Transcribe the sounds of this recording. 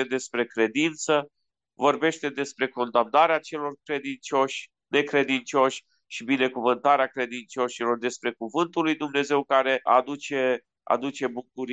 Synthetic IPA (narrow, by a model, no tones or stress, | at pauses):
ed̪e̞spɾe̞kɾe̞d̪int̪sə | vo̞rbe̞ʃt̪e̞d̪e̞spɾe̞ko̞nd̪amnaɾeat͡ʃe̞lo̞rkɾe̞d̪int͡ʃo̞ʃʲ | ne̞kɾe̞d̪int͡ʃo̞ʃʲ | ʃibine̞kuvɨnt̪aɾeakɾe̞d̪int͡ʃo̞ʃilo̞rd̪e̞spɾe̞kuvɨnt̪ulːujd̪umne̞ze̞wkaɾe̞a̰d̪ut͡ʃe | a̰d̪ut͡ʃe̞bukuɾ